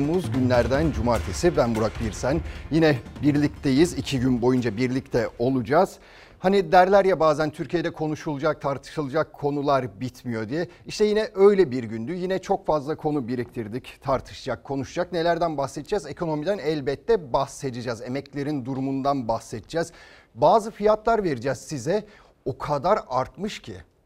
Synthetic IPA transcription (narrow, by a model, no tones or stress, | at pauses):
muzɟynlʲæɾd̪ænd͡ʒumaɾt̪ʰesibænbuɾak̚biɾsænjinɛbiɾlʲic̚t̪ʰejizicʰiɟynbo̞jund͡ʒabiɾlʲict̪ʰɛo̞lˠud͡ʒaːz̥ | hanid̪æɾlʲæɾjabaːzænt̪ʰyɾcʰije̞d̪ɛkʰo̞nuʃulˠud͡ʒak̚t̪ʰaɾt̪ʰɯ̥ʃɯlˠɯd͡ʒakʰːo̞nulˠaɾbit̪ʰmijo̞d̪ijɛ | iʃt̪ɛjinɛʔø̞jlʲɛbiɾɟynd̪yjinɛt͡ʃʰo̞kfazlˠakʰo̞nubiɾic̚t̪ʰiɾd̪ict̪ʰaɾt̪ʰɯ̥ʃɯd͡ʒakʰːo̞nuʃud͡ʒakne̞lʲæɾd̪ænbaxset̪ʰid͡ʒɛze̞kʰo̞no̞mid̪ænɛlʲbɛt̪ːɛbahse̞d̪ɯd͡ʒaːze̞mɛclʲe̞ɾind̪uɾumund̪anbahsɛt̪ʰd͡ʒɛːz | baːzɯfijat̪lˠaɾve̞ɾid͡ʒɛːz̥sizɛ | okʰad̪aɾaɾt̪mɯʃcʰi